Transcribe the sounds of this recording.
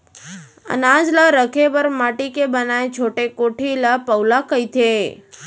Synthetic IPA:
ə̰nad͡ʒləɾəkʰebəɾmaʈikebənaet͡ʃʰoʈekoʈʰiləpəwlakəit̪ʰe

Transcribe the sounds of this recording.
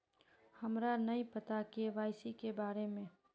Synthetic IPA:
həmɾanəĩpət̪akeʋaːɪsikebaːɾemẽ

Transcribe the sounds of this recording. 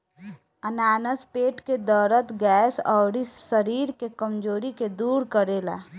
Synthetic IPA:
ənaːnəspeːʈked̪ɔːɾət̪ɡɛːsɔ̰ːɾisəɾiːɾkekəmd͡ʒoːɾiked̪uːɾkəɾeːla̰ː

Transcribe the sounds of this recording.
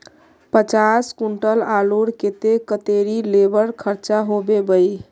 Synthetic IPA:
pət͡ʃaskuɳʈəlaluɽket̪ekət̪eɾilebəɾkʰəɾt͡ʃaɦobebəj

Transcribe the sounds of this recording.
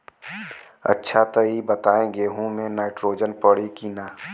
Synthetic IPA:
ɐ̰tːʃʰat̪əibət̪aːẽɡeːɦõmẽnaːɪʈɾoːd͡ʒənpəɽikinaː

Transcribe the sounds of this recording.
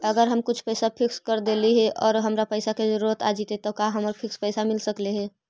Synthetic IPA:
əɡəɾɦəmkʊt͡ʃʰpəɪsapʰɪkskəɾd̪eliɦɛʔʔɔːɾɦəmɾapəɪsakezəɾuɾət̪ad͡ʒit̪et̪ɔkaɦəməɾpʰɪkspəɪsamɪlsəkleɦɛ

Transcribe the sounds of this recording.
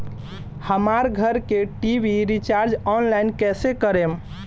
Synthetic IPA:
həmaɾɡʱəɾkeʈibʱiɾit͡ʃaɾd͡ʒɔnlajnkɛsekəɾem

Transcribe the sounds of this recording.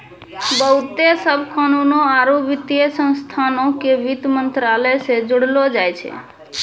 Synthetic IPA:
bəɦut̪esəbʱkanunoaɾoʋit̪jəsə̃nst̪ʰanokeʋit̪mənt̪ɾaləjsed͡ʒuɽlod͡ʒajt͡ʃʰɛ̰

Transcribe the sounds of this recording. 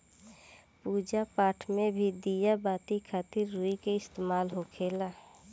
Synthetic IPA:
puːd͡ʒapaːʈʰmẽbʱid̪ijabaːt̪ikʰaːt̪ɪɾːuːikeɪst̪eːmaːlɦokʰeːlaː

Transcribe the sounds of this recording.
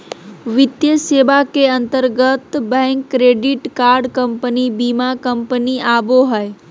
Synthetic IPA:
ʋɪt̪jəseʋakeə̃nt̪əɾɡət̪bɛ̃ŋkːɾeɖɪʈkaːɾɖkəmpənibimakəmpəniaboɦəe

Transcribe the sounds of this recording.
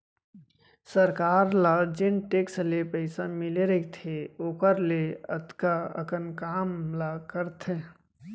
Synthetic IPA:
səɾkaːɾlaːɾd͡ʒɪnʈeːkslepəɪsamɪleɾɐit̪ʰeoːkəɾleə̰t̪kaə̰kənkaːmlakəɾt̪ʰẽ

